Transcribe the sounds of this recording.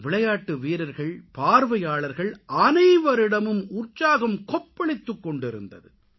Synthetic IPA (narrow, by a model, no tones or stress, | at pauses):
ʋɪɭɐjaːʈːɯʋiːɾɐɾɣɐɭpaːɾʋɐjaːɭɐɾɣɐɭʔɐnɐɪʋɐɾɪɽɐmɯmʊrt͡ʃaːɣɐmkɔpːɐɭɪt̪ːɯkːɔɳɖɪɾɯ̰nd̪ɐ̰ðɯ